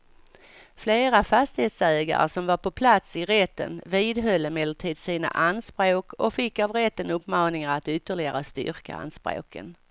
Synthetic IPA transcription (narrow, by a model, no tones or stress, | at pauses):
fleːɾafast̪ɪheːt̪sɛːɡa̰ɾə̰ʂɔmvaɾpʰɔpʰlat̪sɪɾɛt̪ːə̰nviːd̪ɦœlːəmɛd̪əʈ̪ʰiːd̪siːna̰ʔanspɾoːkʰɔkfɪkːavɾɛt̪ːənɵpːmɑːnɪŋaɾat̪ʏt̪ːəɭɪɡaɾast̪ʏ̰ɾka̰a̰nspɾo̰ːkə̰n